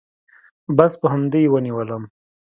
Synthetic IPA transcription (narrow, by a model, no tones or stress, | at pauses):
baspəɦamd̪ejwəniwələm